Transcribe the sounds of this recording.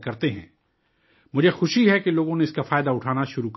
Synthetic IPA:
kɐɾt̪eɦɛ̃ː | mʊd͡ʒʱexʊʃiɦɛkeloːɡõneɪskafaːjd̪aʊʈʰaːnaʃʊɾuk

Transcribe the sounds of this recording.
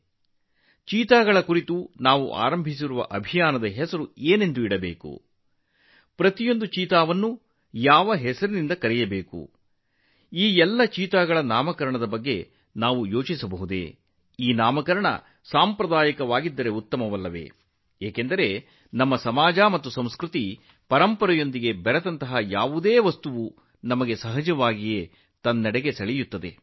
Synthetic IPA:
t͡ʃiːt̪aːɡɐɭɐkuɾit̪unaːʋṵʔa̰ːɾɐmbʱis̬iɾuʋɐ̰ʔɐbʱijaːnɐd̪ɐɦɛsɐɾueːne̞nd̪uiɽɐbeːkṵ | pɾɐt̪ijo̞nd̪ut͡ʃiːt̪aːʋɐnːu | jaːʋɐɦɛsɐɾunind̪ɐkɐɾɛjɐbeːkṵ | iːjɛlːɐt͡ʃiːt̪aːɡɐɭɐnaːmɐkɐɾɐɳɐd̪ɐbɐɡːe | naːʋujo̞ːt͡ʃisɐbɐɦud̪ḛ | iːnaːmɐkɐɾɐɳɐ̰ | saːmpɾɐd̪aːjɐkɐʋaːɡid̪ːɐɾe̞ut̪ːɐmɐʋɐlːɐʋḛ | eːkend̪ɐɾe̞ | nɐmːɐsɐmaːd͡ʒaːmɐt̪ːusɐ̃m̃skɾut̪i | pɐɾɐmpɐɾɐjo̞nd̪iɡe̞bɐɾɐd̪ɐnt̪ɐɦɐjaːʋud̪eːʋɐst̪uʋu | nɐmɐɡe̞sɐɦɐd͡ʒɐʋaːɡije̞ | t̪ɐnːɐɽeɡe̞sɐɭɛjut̪ːɐd̪e̞̰

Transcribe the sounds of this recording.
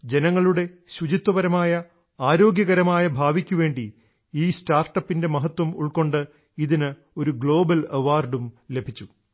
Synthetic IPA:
d͡ʑe̞nɐŋːɐɭuɽe̞ɕut͡ɕit̪ːwɐʋɐɾɐmaːjɐ | aːɾo̞ːɡjɐɣɐɾɐmaːjɐbʱaːʋikʲːuʋe̞ːɳɖi | iːstaːrʈɐpːinde̞mɐɦɐt̪ːwɐmṵɭko̞ɳɖɨ | iðinɨ | o̞ɾuɡɭo̞ːbɐlɐʋaːrɖumlebʱit͡ɕːu

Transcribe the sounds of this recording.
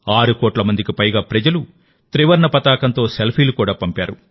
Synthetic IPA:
aːɾukoːʈlɐmɐnd̪ikipɐjɡaːpɾɐd͡ʒɐlu | t̪ɾiʋɐɾɳɐpɐt̪aːkɐnt̪o̞ːselpʰiːlukuːɽaːpɐmpaːɾu

